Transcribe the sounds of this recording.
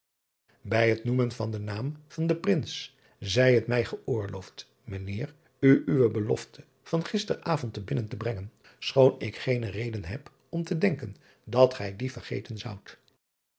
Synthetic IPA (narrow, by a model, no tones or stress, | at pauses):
bɛjɦətnumənvɑndənaːmv̥ɑndəprɪns | zɛjɦətmɛjχəʔʊːɹlowft | mənɪːr | yʔyʋəbəlɔ̰ftʰə̥ | v̥ɑnχɪstəraːvɔntəbɪnəntəbrɛŋən | sχownɪkχejnərejdənɦɛp | ɔmtədɛŋkən | dɑtχɛjdivəɹχḛjtənzʌwt